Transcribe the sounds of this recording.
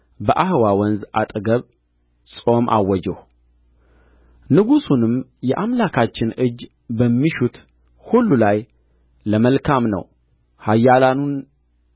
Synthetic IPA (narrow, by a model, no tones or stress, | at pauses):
bəʔahɨwawɔnzʔat̪ʼɡəβ | sʼo̞mʔa̰wːɔd͡ʒɛh | nɨɡusunɨmjɛʔamlakʰat͡ʃːɪnɨd͡ʒ | bəmːiʃut̪ | hulːulaj | ləməlkʰamnə̰w | hajːalanun